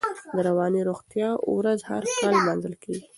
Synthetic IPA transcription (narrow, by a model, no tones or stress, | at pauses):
d̪əɾawɑniɾoɣt̪jɑwɾazha̰ɾkɑlmɑnzəlkʰeɡi